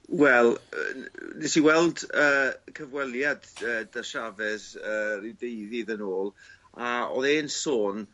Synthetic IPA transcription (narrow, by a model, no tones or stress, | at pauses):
wɛl̰ˠ | nɛsiwɛlˠdəːkʰəvwɛlˠjadəːdaʃavɛðəːridejðiðənoːlˠ | aɔ̰ðeːnsoːn